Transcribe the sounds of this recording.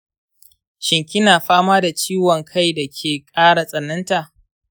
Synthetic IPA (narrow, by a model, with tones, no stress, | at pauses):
ʃɪ˨ŋkʲɪ˦naː˨ɸaː˦maː˦da˨t͡ʃiː˦wɔ˨ŋkʰa˦˨jda˨kʲʰeː˨kʼaː˦ɽa˨sʼɐ˨nːɐ˦nta˨ʔ